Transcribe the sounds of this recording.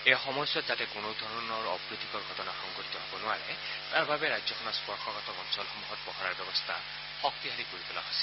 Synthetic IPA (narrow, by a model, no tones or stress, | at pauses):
ejaxɔmɔsɔtzatɛkonod̪ʱɔɹɔnɔɹɔpɹit̪ʰikɔɹɡʱɔtɔnaxɔŋɡɔtit̪ɔɦɔbɔnʊaɹɛ | taɹbʱabɛɹajzɔkʰɔnaspɔɹkʰɔkɔtɔkɔnsɔlxomuɦɔt̚bɔɦɔɹaɹbjɔbɔst̪ʰa̰ | xɔk̚t̪iɦalikoɹit̪ula̰ɦɔsɛ